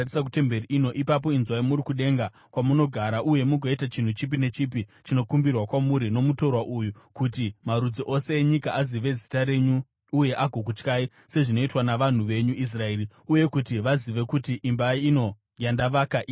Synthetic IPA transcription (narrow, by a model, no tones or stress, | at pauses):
isak̬ute̞mbe̞riʔino̞ʔipap̬o̞inzwajimuɾikuɗe̞ŋɡa | kwamuno̞ɡʱaɾaʔuje̞muɡʱoitat͡ʃin̤ut͡ʃip̬ine̞t͡ʃip̬it͡ʃino̞kumbirwakwamuɾino̞muto̞rwaʔujukutimaɾud͡ziʔo̞se̞ːɲikaʔaziʋe̞zitaɾe̞ɲuː | je̞ʔaɡʱo̞k̬ut͡ʃkaːi | se̞ʐino̞itwanaʋan̤uʋe̞ɲuʔis̬rae̞ːri | uje̞kutiʋaziʋe̞kutiʔimbaiːno̞ | jandaʋakaʔi